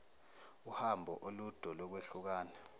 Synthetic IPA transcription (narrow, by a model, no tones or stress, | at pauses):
uhambʱɔʔolud̥ʱɔlɔk̬weɬuk̬aːna